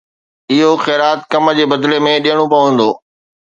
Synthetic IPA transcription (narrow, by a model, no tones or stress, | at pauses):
ɪɦoxɛːɾaːt̪kɐmd͡ʑeːbɐd̪lemẽɗijəɽ̃opɐʋə̃n̆d̪oː